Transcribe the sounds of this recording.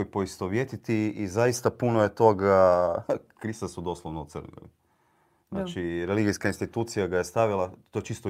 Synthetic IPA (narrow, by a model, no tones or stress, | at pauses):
opo̞ist̪oʋjet̪it̪iizaist̪apunoje̞t̪o̞ɡa | kɾist̪asud̪o̞ːslˠoʋnout̪sr̩ko̰ḭ | znat͡ʃiɾeliɡijskainst̪it̪uːt̪sijaɡajest̪aʋilˠat̪ːojet͡ʃiːst̪o